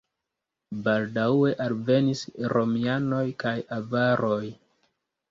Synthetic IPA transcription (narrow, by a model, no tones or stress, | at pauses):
baldae̞ʔalve̞nisɾo̞miano̞jkajavaɾo̞j